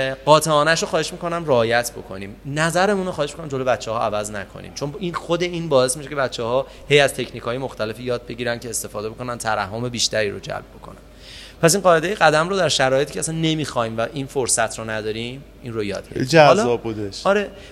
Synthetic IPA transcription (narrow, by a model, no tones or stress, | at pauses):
ɢɒːt̪ʰeɒːnæʃoxɒːheʃmiko̞næmreːjæt̪ʰbo̞̰kʰo̞niːmnæzæɾe̞munoxɒːe̞ʃmikonæmd͡ʒolobæt̪t͡ʃːehɒːʔævæznækʰo̞̰nḭmt͡ʃʰo̞ninxod̪e̞iːnbɒːe̞smiʃecʰe̞bætt͡ʃʰːɛhɒː | he̞jæz̥t̪ʰe̞cʰniːkʰɒːje̞moxt̪æle̞fijɒːd̪̚be̞ɟiːɾænd̪cʰeːst̪e̞fɒːd̪ebo̞ko̞nænt̪ʰæɾæhɦːome̞biːʃt̪æɾiːɾod͡ʒæ̰lb̚bo̞kʰo̞næn | pʰæs̬inɢɒːe̞d̪ejeɣæd̪æmrod̪æɾʃæɾɒːjet̪icʰeæsænːe̞miːxɒːiːmvæʔinfoɾsæt̪ʰɾonæd̪ɒːɾim | inrojɒ̰ːd̪̚bḛid͡ʒælzɒbbud̪eʃɒɾe̞